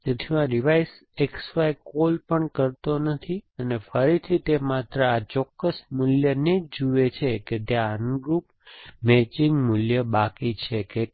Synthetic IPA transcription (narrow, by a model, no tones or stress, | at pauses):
t̪et̪ʰiãɾiʋajs | eksʋajkolpəɳkəɾt̪onət̪ʰiənefəɾit̪ʰit̪emat̪ɾəat͡ʃɔkːəsmʊljəned͡ʒd͡ʒuet͡ʃʰeket̪jãənɡɾup | met͡ʃiŋɡmʊljəbakit͡ʃʰeke